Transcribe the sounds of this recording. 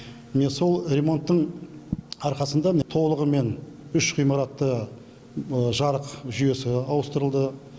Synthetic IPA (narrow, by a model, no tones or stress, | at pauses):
mɪne̞so̞lˠre̞mo̞nt̪ːəɴ | ɑɾqɑsənd̪ɑt̪ʰo̞lˠəʁəme̞nʏʃqʰijmɑɾɑt̪ːə | əʒɑɾəqʒʏje̞sɪɑwəst̪əɾəlˠd̪ə